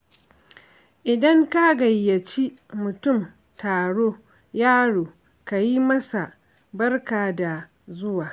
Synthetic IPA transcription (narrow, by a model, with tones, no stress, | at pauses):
ʔɪ˨dɐ˦ŋka˦ɡɐ˨jːɐ˨t͡ʃi˦mʊ˨tʊ˦˨m | taː˨ɽoː˦ | jaː˦ɽoː˨ | ka˨ji˦mɐ˦sa˨ | bɐ˦rkaː˨da˨ | zʊ˦waː˨